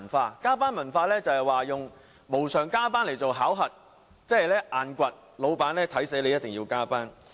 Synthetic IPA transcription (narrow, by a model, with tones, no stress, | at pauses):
nfaː˧kaː˥paː˥nmɐ˨˩nfaː˧lɛː˥t͡sɐ˨˧hɐ˨jwaː˨jʊ˨ŋ | mo˨˩wsœː˨˩ŋkaː˥paː˥nle˨˩jt͡so˨wɦaː˨˥wɦɐ˨t̚ | t͡sɛː˥ɐ˨jlɛː˥ʔaː˨nkʷɐ˨t̚ | lo˨˧wpaː˨˥nlɛː˥t̪ʰɐ˨˥jse˨˥jle˨˧jɐ˥t̚t̪ɪ˨˩ŋjiː˧wkaː˥paː˥n